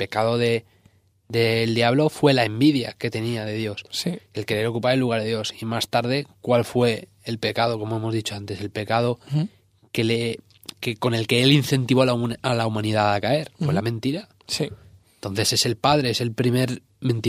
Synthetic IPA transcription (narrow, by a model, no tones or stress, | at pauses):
pe̞kaðo̞ðe̞ | d̪e̞ld̪jaβlo̞fwe̞lae̞mbiðja̰ke̞t̪e̞niað̞e̞ðjo̞ssielkeɾɾo̞kupaelːuɣ̞aɾðeðjo̞simast̪aɾð̞e̞kwalfwe̞ː | lpe̞kað̞o̞ko̞moemo̞zðit͡ʃo̞ant̪e̞se̞lpe̞kað̞o̞ | kele | keko̞ne̞lke̞elinθe̞nt̪iβo̞lalaumãniðaðakae̞ɾfwe̞lamẽnt̪iɾa | si | nt̪on̟θe̞se̞se̞lpað̞ɾe̞ese̞lpɾime̞ɾ | mẽnt̪i